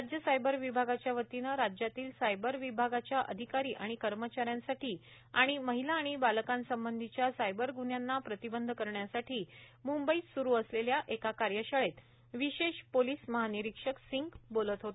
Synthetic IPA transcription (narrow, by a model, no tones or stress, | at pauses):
ɾad͡ʑjəsajbəɾʋibʱaɡat͡ɕjaʋət̪inəɾad͡ʑjat̪iːlsajbəɾʋibʱaɡat͡ɕjaʔə̰d̪ʱikaɾiːʔaɽ̃ikəɾmət͡ɕaɾjãnsaʈiː | aɽ̃iməɦilaːɽ̃ibaləkãnsəmbənd̪ʱit͡ɕjasajbəɾɡuɳjanːapɾət̪ibənd̪ʱkəɾɳjasaʈʰiːmumbəisuɾuəsleljaʔekakaɾjəɕəɭet̪ | ʋiɕeɕpoliːsməɦaniɾikʂəksiŋɡbolət̪ɦot̪o